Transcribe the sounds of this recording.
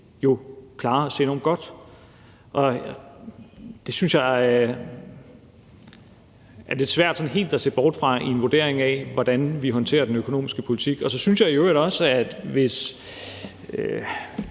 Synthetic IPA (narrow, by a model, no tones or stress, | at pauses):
jo̝kʰlɑ̈ːɒsḛːe̝nɒ̰ːmɡ̥ɒ̽d̥ | ʔɒ̽ | d̥e̝synsjɑ̈ɪ | ʔæɐd̥e̝sʋæɐ̰d̥sɒ̽nɦe̝̰ːld̥æse̝̰ːb̥ɒːd̥fʁɑ̈ienʋoɐd̥e̝ɐ̰e̝ŋɛʋɒd̥ænʋiɦɒ̽nt͡sʰe̝̰ːɐd̥enøkʰo̝no̝̰ːmisɡ̥əpʰo̝lit͡sʰiɡ̥ɒ̽sɒ̽synsjɑ̈ɪiøːɾɒ̽səæd̥ʋe̝s | ø